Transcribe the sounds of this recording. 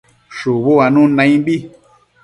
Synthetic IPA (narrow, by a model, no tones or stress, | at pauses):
ʃuβoanũnãj̃bi